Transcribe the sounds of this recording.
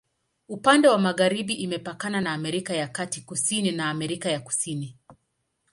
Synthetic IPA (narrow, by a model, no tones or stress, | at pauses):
upandɛwamaɣaɾiɓiʔimɛpakananaːmɛɾikajakatikusininaːmɛɾikajaku̥sini